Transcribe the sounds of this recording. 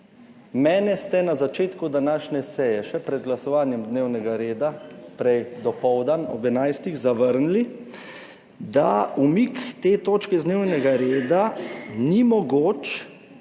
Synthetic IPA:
mɛːnɛst̪ɛnazat͡ʃeːt̪kud̪anaːʃnʲɛsɛjɛʃɛpɾɛd̪̚ɡlasɔʋaːnjɛmd̪neːwnɛɡaɾeːd̪apɾɛjd̪ɔpɔwd̪anɔ̰bɛnajst̪iɣzaʋəɾnli | d̪aumikt̪eːt̪oːt͡ʃkɛzd̪neːwnɛɡaɾeːd̪animɔɡoːt͡ʃ

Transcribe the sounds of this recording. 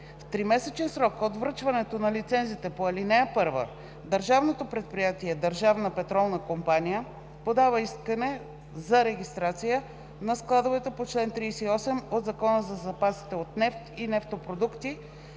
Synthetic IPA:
ft̪ɾimɛsɛt͡ʃɛnsɾɔkot̪vɾɤt͡ʃvɐnɛt̪onɐlit̪sɛnzit̪ɛpoɐlinɛjəpɤɾvə̰ | d̪əɾʒavnot̪opɾɛt̪̚pɾijat̪iɛd̪əɾʒavnəpɛt̪ɾɔlˠnəkompanijə | pod̪avəiskənɛ | zɐɾɛɡ̟ʲist̪ɾat̪sijə | nɐsklˠad̪ovɛt̪ɛpot͡ʃlɛnt̪ɾiːsɛiɔsɛmod̪zɐkɔnəzɐzɐpasi̥t̪ɛot̪nɛft̪inɛft̪opɾod̪ukt̪i

